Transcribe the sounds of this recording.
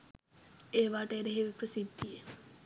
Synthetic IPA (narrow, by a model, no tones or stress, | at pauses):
eːʋaːʈəeɾeɦeʋeprəsid̪ʱːije